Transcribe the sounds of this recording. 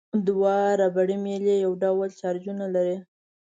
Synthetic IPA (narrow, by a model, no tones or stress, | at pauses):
d̪wɑɾabaɽimelejawɖawlt͡ʃɑɾd͡ʒunalaɾi